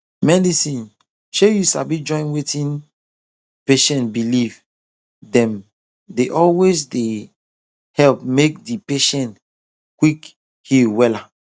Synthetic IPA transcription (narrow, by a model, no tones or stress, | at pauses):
mɛdisĩn | ʃejusabid͡ʒɔ̃ɪ̃nwetĩn | peʃɛ̃nbiliv | dɛ̃m | deʔɔlwesde | hɛlp̚mek̚dipeʃɛ̃nt | kwik | hiwɛla